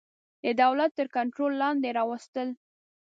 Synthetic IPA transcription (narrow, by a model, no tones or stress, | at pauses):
d̪əd̪awlat̪ːəɾkaɳʈɾolːɑnd̪eɾɑwəst̪əl